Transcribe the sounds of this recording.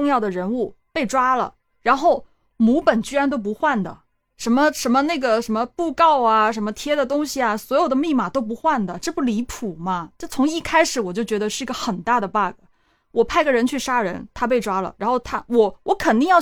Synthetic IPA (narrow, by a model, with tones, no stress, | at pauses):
ʊ˥˧ŋjɑ˥˩ʊd̪ə˩ɻə˧˥nu˥˩pe˥˩ɪʈ͡ʂwa˥lə̰˨˩ | ɻa˧˥nxo˥˩ʊ | mu˧˥pə˨˩nt͡ɕy˥ɻa˥nt̪̬o˥ʊp̬u˧˥xwa˥˩nd̪ə̰˩ | ʂə˧˥nmə˧ʂə˧˥nmə˧ne˥˩ɡə˩ʂə˧˥nmə˧pu˥˧kɑ˥˩ʊa˩ʂə˧˥nmə˧t̪ʰjɛ˥d̪ə˨t̪ʊ˥ŋɕi˨ɐ˩swɔ˧˥jo˨˩ʊd̪ə˩mi˥˩ma˨˩t̪o˥ʊp̬u˧˥xwa˥˩nd̪ə˩ʈ͡ʂ̩˥˧pu˥˩li˧˥pʰu˨˩mɐ˦ʈ͡ʂɤ˥˩t͡sʰʊ˧˥ŋi˥˩kʰa˥ɪʂɻ̩˧˥wɔ˨˩t͡ɕjo˥˩ʊt͡ɕɥɛ˧˥d̪ə˧ʂɻ̩˥˩i˧˥ɡə˧xə˨˩nt̪a˥˩d̪ə˩pa˥˩ɡə˩ | wɔ˨˩pʰa˥˩ɪɡə˩ɻə˧˥nt͡ɕʰy˥˩ʂa˥ɻə˧˥nt̪ʰa˥p̬e˥˩ɪʈ͡ʂwa˥lə̰˩ɻa˧˥nxo˥˩ʊt̪ʰa˥wɔ˨˩˦wɔ˧˥kʰə˨˩nt̪i˥˧ŋjɑ˥˧